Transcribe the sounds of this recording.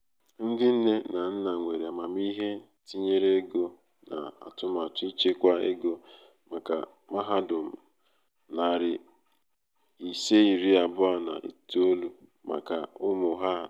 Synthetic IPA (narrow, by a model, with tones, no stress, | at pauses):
n̩˦dɪ˦n̩˦ne˦na˨n̩˦na˨ŋʷe˨ɾi˨a˨ma˨m˦i˦ɦe˦ | ti˦ɲe˦ɾe˦ɡo˦ | na̰˨a̰˨tʊ˦ma˨tʊ˦i˦t͡ʃe˦kʷa˦e˦ɡo˦ | ma˨ka̰˨ | ma˦ɦa˦dʊ˨m̩˨ | na˨ɾɪ˨ | i˨se˦i˨ɾi˦a˨bʊ˦a˦˨na̰˨ʔḭ˨to˦lu˨ | ma̰˨ka˨ʊ˦mʊ˨ɦa˦